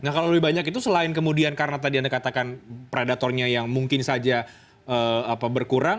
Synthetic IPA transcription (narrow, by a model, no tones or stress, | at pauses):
nahkaloləbɪiɦbaɲakit̪usəlaɪnkəmudiankaɾənat̪adiandakat̪akanpɾedat̪ɔrɲajaŋmuŋkɪnsad͡ʒa | əapabərkuɾaŋ